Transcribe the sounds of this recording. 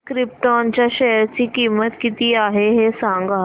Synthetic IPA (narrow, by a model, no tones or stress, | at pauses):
kɾɪp̚ʈont͡ɕaʃɛjəɾt͡ɕiːkiːmət̪kit̪iaːɦeɦesãŋɡa